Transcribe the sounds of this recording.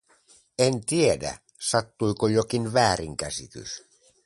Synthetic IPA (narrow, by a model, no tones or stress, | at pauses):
ent̪iedæ̰ | sɑt̪ːujkojokinʋæːɾiŋkæsit̪y̰s